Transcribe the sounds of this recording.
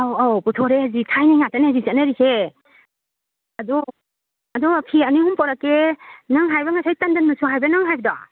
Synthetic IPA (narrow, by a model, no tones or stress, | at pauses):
awawputʰɔɾeazitʰajnajŋataneazizanaɾikʰe | ɐdɔ | ɐdɔpʰianihumpɔɾakenaŋɦajbɐŋasajtandanːasuɦajbɐnaŋɦajbɐda̰